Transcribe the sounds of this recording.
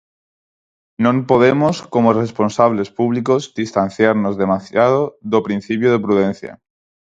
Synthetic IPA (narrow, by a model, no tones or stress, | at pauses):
nõmpoð̞emosko̞morespo̞nsaβle̞spuβ̞liko̞zd̪ist̪an̟θjaɾno̞zðe̞masjað̞oðopɾin̟θipjoð̞epɾuðen̟θja̰